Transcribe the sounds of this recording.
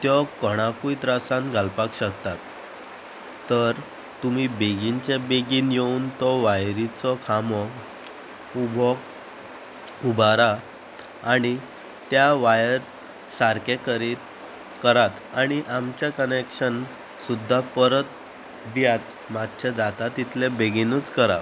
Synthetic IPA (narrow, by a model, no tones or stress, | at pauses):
t̪jɔkəɽ̃apujt̪ɾasãnɡʱalpakɕəkt̪at̪ | əɾ | t̪umibeɡint͡ɕebeɡinjeunt̪ɔʋajɾit͡sɔkʰamɔ | ubʱɔɡ | ubaɾa | aɽ̃i | t̪jaʋajəɾ | saɾkẽkəɾit̪ | kəɾat̪aɽ̃iʔamt͡ɕjakənekɕən | sud̪ʱːapəɾət̪̚ | bijat̪̚ | mad̪t͡ɕʰad͡zat̪at̪ːit̪ʰlebeɡinut͡skəɾa̰